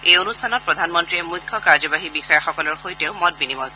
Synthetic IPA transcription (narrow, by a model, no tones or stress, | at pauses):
ejonust̪ʰanɔt̚pɹɔd̪ʱanmɔntɹiɛmujkʰːɔkaɹzɔbaɦibixɔjaxɔkɔlɔɹxojtɛʊmɔt̚binimɔl